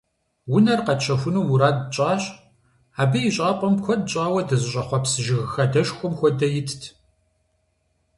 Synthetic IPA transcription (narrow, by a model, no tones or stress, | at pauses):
wʊnɐrqɐt͡ʃʰɐxʷʊnuːmuɾaːdt͡ʃʼaːɕ | aːbɨjɪɕʼaːpʼɔmxʷɔdɕʼaːwɐdɐzɨɕʼɐχʷɔpsɨʒɪɣxɐdɐʃxʷʊmxʷɔdɐjɪtʰtʰ